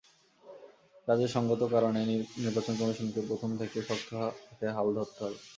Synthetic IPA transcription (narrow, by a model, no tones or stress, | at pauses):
kad͡ʑeɾʃɔŋɡot̪okaɾoneniɾbat͡ɕonkɔmiʃonkepɾot̪ʰomt̪ʰekeʃɔkt̪ʰːokʰeɦald̪ʱɔt̪ːoɦɔe